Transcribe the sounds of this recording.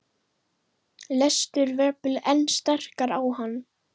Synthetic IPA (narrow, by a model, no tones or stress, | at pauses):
lɛst̪ʏɾvɛplɛnːst̪ɛr̥kaɾawɦanː